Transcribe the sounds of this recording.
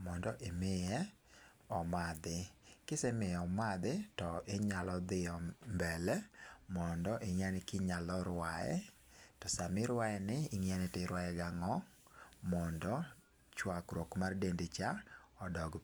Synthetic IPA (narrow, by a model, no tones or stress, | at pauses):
mɔndɔʔemɪjɛ | ɔmad̪ɪkɪsɛmɪɔmad̪ɪtɔʔɪɲalɔd̪ɪɔmbɛlɛmɔndɔʔeŋjanɪkɪɲalɔɾwaɛ̰ | tɔsamɪɾwaɛnɪːŋjanɛtɪɾwajɛɡaŋɔ | mɔndɔ | t͡ʃwakɾokmardendet͡ʃaɔdɔɡ